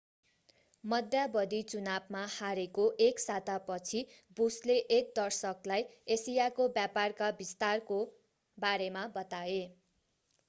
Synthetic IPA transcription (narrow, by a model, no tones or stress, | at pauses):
mʌd̪ʱjabʌd̪it͡sunabmahaɾekoʔeksat̪apʌt͡sʰi | busleʔek̚d̪ʌrsʌklajesijakobjaparkabist̪arko | baɾemabʌt̪ae